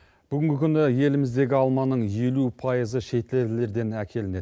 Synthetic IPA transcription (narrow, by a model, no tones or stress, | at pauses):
b̥ʏɡʲɪŋɡʲɪkʲʰʏnɪje̞lɪmɪzd̪e̞ɡʲɪɑlˠmɑnəɴje̞lupʰɑjəzəʃe̞t̪lele̞ɾd̪e̞nækʲʰe̞lɪne̞d̪